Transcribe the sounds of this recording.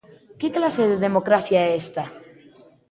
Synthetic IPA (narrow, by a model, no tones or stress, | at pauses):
keklase̞ðeðe̞mo̞kɾaθjaest̪a